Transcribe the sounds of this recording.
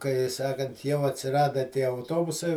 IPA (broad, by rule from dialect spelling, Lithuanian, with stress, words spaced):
kɐɪ ˈsɑːkɐnt jɛʊ ɐtʲsʲɪˈrɑːdɐ tʲiɛ ɐʊˈtoːbʊsɐɪ